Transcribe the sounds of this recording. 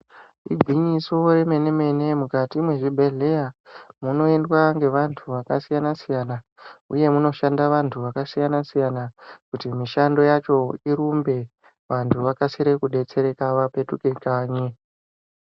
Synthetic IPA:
ḭɡʱwiɲiso̞ɾe̞me̞ne̞me̞ne̞mukatimwe̞ʐibʱe̞ɮe̞jamuno̞e̞ndwaŋɡe̞ʋantʰuʋakasijanasijana | ṵje̞muno̞ʃandaʋantʰuʋakasijanasijanakutimiʃando̞jat͡ʃo̞iɾumbe̞ | ʋantʰuʋakasiɾe̞kuɗe̞t͡se̞ɾe̞kaʋape̞tukekaːɲe

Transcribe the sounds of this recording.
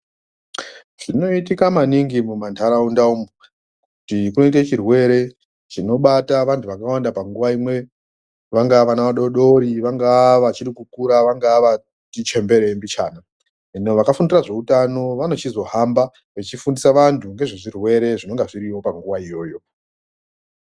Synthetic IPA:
ʐ̥ino̞itikamaniŋɡimumantʰaɾaundaumu | kutikuno̞it̬at͡ʃirwe̞ɾe̞ | t͡ʃino̞ɓataʋantʰuʋakawandapaŋɡuʋaimwe̞ | ʋaŋɡaʋanaʋaɗo̞ɗo̞ɾiʋaŋɡaʋat͡ʃiɾikukuɾaʋaŋɡaʋa | tit͡ʃe̞mbe̞ɾembit͡ʃa̰ːna | enoʋakafundiraʐe̞utano̞ʋano̞t͡ʃizo̞ɦamba | ʋet͡ʃifundisaʋantʰuŋɡe̞ʐeʐirwe̞ɾe̞ʐino̞ŋɡaʐiɾiwo̞paŋɡuʋaijo̞ːjo̞

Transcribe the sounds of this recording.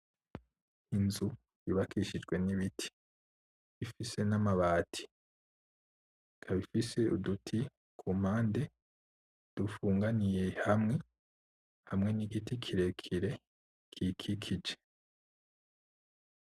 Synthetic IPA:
inzu | jiβakʰiʃid͡ʒɡwe̞niβitʰi̥ | βifise̞namaβaːtʰi̥ | kʰaβifise̞udutʰi | kʰum̥haːnde̞ | d̥ufuːŋɡanije̞hamŋe̞ | hamŋe̞niɡitikʰiɾe̞kʰiɾe̞ | kʰikʰikʰid͡ʒe

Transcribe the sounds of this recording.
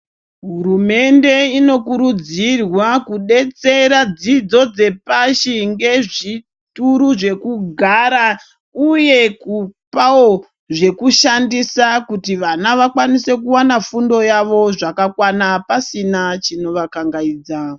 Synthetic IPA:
ɦuɾume̞nde̞ino̞kuɾud͡zirwakuɗe̞t͡se̞ɾad͡zid͡zo̞d͡ze̞paʃiŋɡe̞ʐi | tuɾuʐe̞kuɡʱaɾa | uje̞kupao | ʐe̞kuʃandisakutiʋanaʋakwanise̞k̬uwanafundo̞jaʋo̞ʐakakwanapasinat͡ʃino̞ʋakaŋɡaiːd͡za

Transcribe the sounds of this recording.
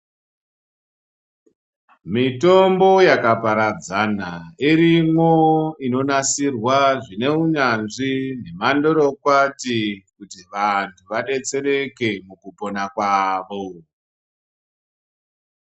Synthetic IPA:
mito̞mbo̞jakapaɾad͡zanaiɾimwoino̞nasirwaʐine̞uɲanʐine̞mando̞ɾokwatikutiʋantʰuʋaɗe̞t͡se̞ɾe̞ke̞mukupo̞nakwaːʋo

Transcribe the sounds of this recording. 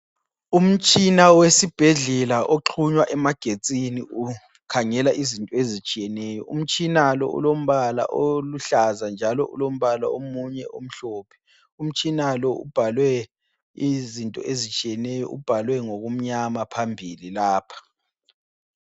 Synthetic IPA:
um̩t͡ʃʼinawesib̥ʱeɮɛlaʔoǃʰuɲwaʔɛmaɡ̥ʱet͡sʼiniu | kʰaŋɛlaʔizintʼɔezit͡ʃʼijɛnɛːjɔ̰ʔṵm̩t͡ʃʼinalɔ̰ṵlom̩βala̰ʔoluɬazand͡ʒʱalɔ̰ʔṵlom̩βala̰omuɲɛʔom̩ɬoːpʰɛ̥ | um̩t͡ʃʼinalɔṵb̥ʱalwɛ | izintʼɔʔezit͡ʃʼijɛnɛjɔ̰ʔṵb̥ʱalwɛŋoɣum̩ɲamapʰambʱililaːpʰḁ

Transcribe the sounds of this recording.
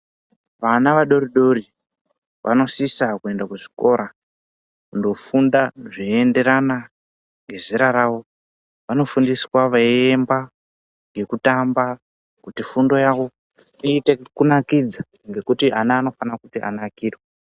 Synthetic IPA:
ʋanaʋaɗo̞riɗo̞ri | ʋʔa̰no̞sisakue̞ndakuʐi̥ko̞ɾa | kundo̞fundaʐiende̞ɾana | ŋɡe̞ziɾaɾaʋo̞ | ʋano̞fundiswaʋaiemba | ŋɡe̞kutamba | kutifundo̞jaʋo̞ | iːte̞kunakid͡za | ŋɡe̞kutianaːno̞fanakutiʔa̰nakiːrwe

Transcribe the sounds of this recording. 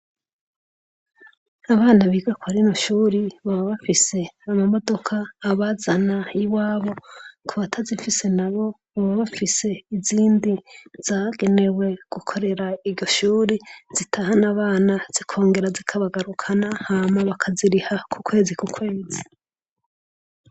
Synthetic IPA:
aβaːnaβiɡakaɾinoʃuːɾiβaβaβafise̞amamo̞do̞kʰaːβazanajiwaːβo̞kʰuβatʰazifise̞naβo̞ | βaβaβafise̞iziːndiz̥aɡe̞ne̞we̞ɡ̥ukʰo̞ɾe̞ɾaiɾɟo̞ʃuːɾiz̥itʰahanaβaːnaz̥ikʰo̞ːŋɡe̞ɾazikʰaβaɡaɾukʰanahaːmaβakʰaziɾihakʰukwe̞ːzikukʰwe̞ːzi̥

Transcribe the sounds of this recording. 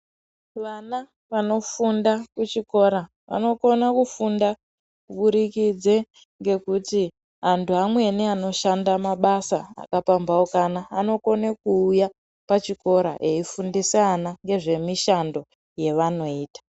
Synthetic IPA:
ʋana | ʋano̞fundakut͡ʃiko̞ɾa | ʋa̰no̞ko̞nakufunda | kuɓuɾikid͡ze̞ | ŋɡe̞kuti | ɦantuɦamwe̞niano̞ʃandamaɓasaa̰kapambaokanaːno̞ko̞nekuːja | pat͡ʃiko̞ɾa̰ʔe̞ifundisanaŋɡe̞ʐe̞miʃando̞ | je̞ʋano̞iːtḁ

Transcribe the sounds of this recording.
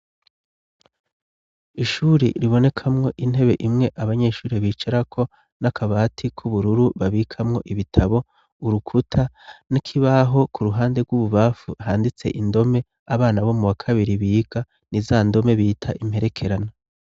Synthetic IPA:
iʃuːɾḭɾiβo̞ne̞kʰamŋo̞ʔin̥he̞βe̞̰ʔimŋe̞ʔaβaɲe̞ːʃuːɾeβiːt͡ʃaɾakʰo̞ | nakʰaβaːtʰikʰuβuɾuɾuβaβiːkʰamŋo̞ʔiβitʰaβo̞ | uɾukʰutʰanikʰiβaɦo̞kʰuɾuɦaːnde̞ɡwuβuβaːfuɦaːndit͡se̞̰ʔindo̞me̞ | aβaːnaβo̞muwakʰaβiɾiβiːɡ̥a | nizaːndo̞me̞βiːtʰaʔim̥he̞ɾe̞kʰe̞ɾana

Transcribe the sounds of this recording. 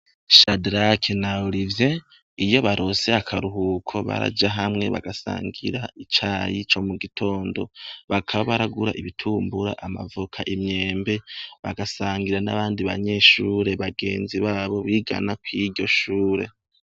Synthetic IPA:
ʃadɾakʰenauɾivje̞ | ijo̞βaɾʔo̞se̞akʰaɾuɦukʰo̞βa̰ɾa̰d͡ʒaɦamŋe̞βa̰ɡasa̰ːŋɡḭɾait͡ʃajit͡ʃo̞muɡitʰo̞ːndo̞βakʰaβaβaɾaɡuɾaʔiβitʰuːmbuɾa̰ʔama̰vukʰaʔimɲe̞ːmbe̞βaɡasaːŋɡiɾanaβaːndiβaɲe̞ʃuːɾe̞βaɡe̞ːnziβaːβo̞βiːɡa̰nakwiɾɟo̞ʃuːɾe̞̰

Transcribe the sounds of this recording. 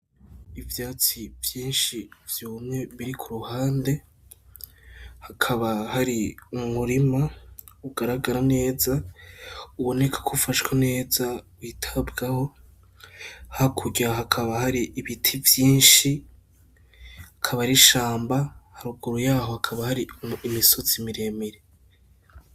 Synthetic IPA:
ivjaːt͡sivjiːnʃivjuːmŋe̞βiɾikʰuɾuhaːnde̞ | hakʰaβahaɾiumuɾima | uɡaɾaɡaɾane̞ːza | uβo̞ne̞kʰḁkʰufaʃkwene̞ːzawiːtʰabɡaho̞ | hakʰuɟaɦakʰaβahaɾiʔːβitʰivjiːnʃi | hakʰaβaɾiʃaːmbahaɾuɡuɾujaːho̞hakʰaβahaɾiːmisot͡simiɾe̞meɾe

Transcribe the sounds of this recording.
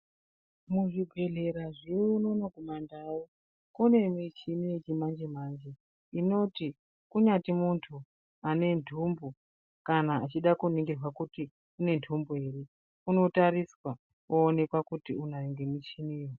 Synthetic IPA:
muʐiɡʱe̞ɮe̞ɾaʐiunonoɡʱumandaji | kune̞mit͡ʃinijet͡ʃimand͡ʒe̞mand͡ʒe̞ | ino̞ti | kuɲatimuntʰu | ane̞ndʱumbu | kanaːt͡ʃiɗakuneŋɡerwakuti | une̞ndʱumbuɦe̞ɾe̞ | uno̞taɾiswa | kuːne̞kwakutiunaneŋɡemit͡ʃiniwo

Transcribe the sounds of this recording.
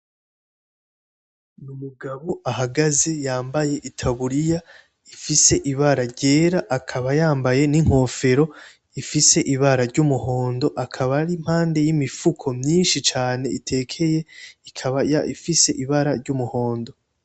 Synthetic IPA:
numuɡaβoʔahaɡaze̞jaːmbaje̞ʔitʰaβuɾija | ifise̞ʔiβaɾaɾɟe̞ːɾaʔakʰaβajaːmbaje̞niŋ̥ho̞fe̞ɾo̞ | ifise̞ʔiβaɾaɾɟumuho̞ːndo̞ʔakʰaβaɾim̥haːnde̞jimifukʰo̞mɲiːnʃit͡ʃaːne̞itʰe̞ːkʰe̞je̞ikʰaβajaifise̞ʔiβaɾaɾɟumuho̞ːndo̞

